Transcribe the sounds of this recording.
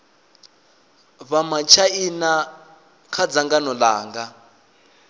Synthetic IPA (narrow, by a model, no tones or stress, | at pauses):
βamat͡ʃʰaina | kʰad͡zaŋɡanɔla̰ːŋɡa